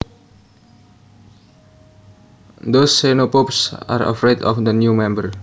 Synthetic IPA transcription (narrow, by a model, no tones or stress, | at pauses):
d̪osːenopopsa̰ɾə̰fɾedɔ̰fd̪ənjumɛ̃mbər